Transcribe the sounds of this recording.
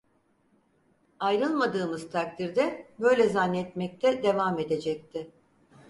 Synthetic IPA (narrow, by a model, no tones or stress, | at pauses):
ajɾɯlˠmad̪ɯːmɯzt̪ʰak̚t̪ʰiɾd̪ɛbø̞jlʲɛzanːɛɛt̪mɛc̚t̪ʰɛd̪e̞vame̞d̪e̞d͡ʒɛc̚t̪ʰɪ